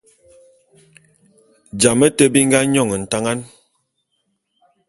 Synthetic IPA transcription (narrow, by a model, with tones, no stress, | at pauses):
d͡ʒa˨mə˦tə˦bi˦ŋ˦ɡa˦ɲɔ˦˨ŋə˨n̩˨ta˦ŋa˦n